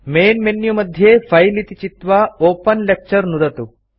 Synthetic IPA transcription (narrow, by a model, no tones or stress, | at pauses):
meːnmenjumɐd̪ʱjepʰɐjlit̪it͡ʃit̪ʋɐoːpɐnlek̚t͡ʃɐɾnuɾɐt̪u